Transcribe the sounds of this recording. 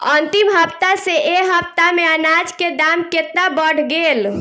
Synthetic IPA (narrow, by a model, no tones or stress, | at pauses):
ənt̪imɦəpt̪aseʔeɦəpt̪ameənad͡ʒked̪amket̪nabəɽ̤ɡel